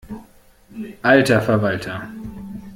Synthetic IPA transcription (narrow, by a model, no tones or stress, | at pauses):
ʔaltɐfɛɐvaltʰɐ